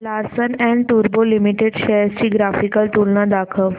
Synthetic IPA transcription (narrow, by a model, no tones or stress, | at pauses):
laɾsənɛ̃ɳʈ̪uɾbolimiʈeɖɕɛjəɾt͡ɕiːɡɾafikəlt̪ulnad̪akʰəʋ